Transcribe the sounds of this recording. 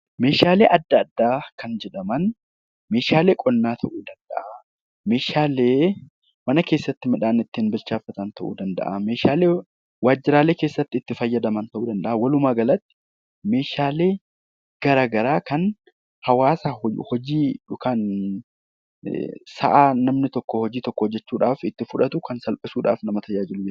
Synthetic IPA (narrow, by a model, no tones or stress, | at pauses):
me̞ːʃaːleːʔɐd̪ːɐːd̪ːaːkɐnd͡ʒɛᶑɐmɐn | me̞ːʃaːle̞ːkʼɔnːaːt̪ʰɐʔuːd̪ɐnd̪ɐ̰ʔɐ | me̞ːʃaːleː | mɐnɐke̞ːsːɐt̪ːɪmɐᶑaːnɪt̪ːɪnbɪlt͡ʃaːfɐt̪ɐnt̪ɐʔṵːd̪ɐnd̪ɐ̰ʔɐme̞ːʃaːleː | waːd͡ʒːɪɾaːle̞ːke̞ːsːɐt̪ːɪɪt̪ːɪfɐjːɐd̪ɐmɐnt̪ɐʔuːd̪ɐnd̪ɐʔɐwɐlʊmaːɡɐlɐt̪ːɪ̥ | me̞ːʃaːle̞ː | ɡ̥ɐɾaːɡɐɾaːkɐn | hɐwaːsaːhɔd͡ʒiːᶑʊkan | sɐ̰ʔaːnɐmnɪt̪ɔkːɔhɔd͡ʒiːt̪ɔkːɔhɔd͡ʒːɛt͡ʃːuːᶑaːfɪt̪ːɪfʊᶑɐt̪ʊkɐnsɐlpʼɪsuːᶑa̰ːfnɐmɐt̪ɐjaːd͡ʒɪlʊd͡ʒɛ